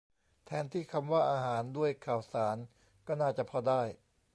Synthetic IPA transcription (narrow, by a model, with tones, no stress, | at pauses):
t̪ʰɛː˨˦nt̪ʰiː˥˩kʰa˧mwaː˥˩ʔaː˧haː˩˦ndu˥˩əjkʰaː˨˩wsaː˩˦n | kɔː˥˩naː˥˩t͡ɕa˨˩pʰɔ˧daː˥˩j